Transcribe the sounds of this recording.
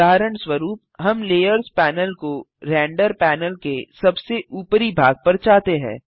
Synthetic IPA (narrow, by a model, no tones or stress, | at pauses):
aːɾəɳ̃swəɾuːp̚ɦɐmleːjəɾzpɛːnəlko | ɾɛ̃ːɳɖəɾpɛːnəlkesɐbseʔuːpɾibʱaːɡ̚pɐɾt͡ʃaːt̪eɦɛ̰̃ː